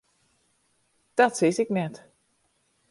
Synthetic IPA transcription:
d̥ɔtsisɪknɛt

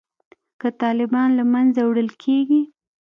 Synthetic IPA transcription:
kət̪ɑlɪbɑnlamanzawɽəlkʰeɡi

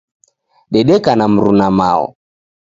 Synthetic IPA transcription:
ɗɛɗɛkanam̩ɾunama̰ɔ̰

